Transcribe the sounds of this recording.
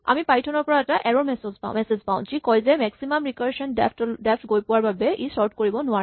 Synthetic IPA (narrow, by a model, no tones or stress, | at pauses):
a̰mipajtʰɔnɔɹpɔɹaɛtaʔɛɹɔɹmɛsɔzpã̰mɛsezpa̰ʊ̃zikɔjzɛmɛksimamɹikɔɹʃɔndɛpʰtdɛpʰtɡojpʊwaɹbabɛʔisɔɹtʰkoɹibɔnʊwaɹɛ